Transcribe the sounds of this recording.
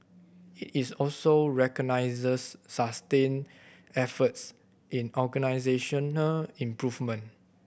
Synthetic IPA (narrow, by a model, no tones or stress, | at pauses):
itisɔlsoɹɛkɔnaɪzəsːastẽn | ɛfəts | ʔĩnɔɡənaɪzeʃə̃nəlĩmpɹuvmə̃n